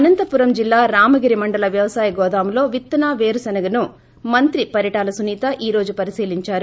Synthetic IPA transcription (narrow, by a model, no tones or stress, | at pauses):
ɐnɐnt̪ɐpuɾɐmd͡ʒilːaːɾaːmɐɡiɾimɐɳɖɐlɐʋjɐʋɐsaːjiɡɔːd̪aːmlo̞ːʋit̪ːɐnaːʋeːɾusɐnɐɡɐnu | mɐnt̪ɾipɐɾjɐʈaːlɐsuniːt̪ɐʔiːɾo̞ːd͡ʒupɐɾisiːliɲt͡ʃaːɾu